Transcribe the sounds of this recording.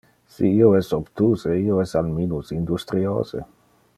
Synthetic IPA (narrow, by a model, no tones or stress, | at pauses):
siiːoɛsopt̪uːzeiːoɛsalminusind̪ust̪ɾio̰ːzḛ